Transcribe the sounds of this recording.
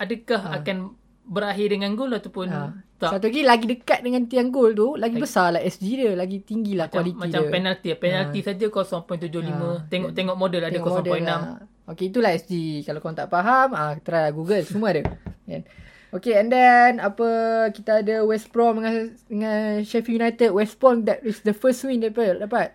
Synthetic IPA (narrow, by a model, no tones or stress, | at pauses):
adəkaɦakan | bəɾaɦɪdəŋãnɡʊlat̪apʊnat̪asat̪̬uɡilaɡidəkat̪̚dəŋãnt̪iaŋɡʊlt̪̬ulaɡibəsalahɛsd͡ʒidəlaɡit̪iŋɡilahkwalitmait͡ʃaəpɛnalt̪ipɛnalt̪isad͡ʒakɔsɔŋpɔj̃nt̪ud͡ʒʊhlimə̃t̪eŋɔʔt̪eŋɔʔmodəlad̪əɔkɔmɔ̃dəɔjnːãm | okeit̪̬ulaɛsd͡ʒikalakɔnt̪aʔpaɦamat̪əɾajlaɡuɡəlt͡ʃumadəɛ̰n | okeɛ̃ndɛnapəkit̪aadəwɛspɾɔməadəŋãnʃɛfijunajt̪əd̚wɛspɔmd̪ɛt̚wisdəfəswindəpədapat̪̚